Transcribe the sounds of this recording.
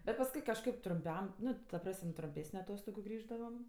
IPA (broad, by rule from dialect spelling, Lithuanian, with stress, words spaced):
bʲɛt pɐsˈkʊɪ kɐʃˈkɐɪp trʊmʲˈpʲɛm ˈnʊ tɐ ˈprɐsʲmʲ trʊmʲˈpʲeːsʲnʲʊ ɐˈtoːstoːɡʊ ˈɡrʲiːʒdɐʋɐm